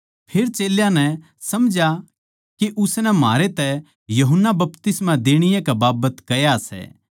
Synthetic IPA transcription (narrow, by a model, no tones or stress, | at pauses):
pʰeːɾt͡ʃeːljãnɛ | sɐmd͡ʒa | keʔʊsnɛma̰ːɾet̪ɛ | jɐɦənːabɐpt̪ɪsmãd̪eːɽ̃ɪjɛ̃kɛbaːbət̪kɐjasɛ̰ː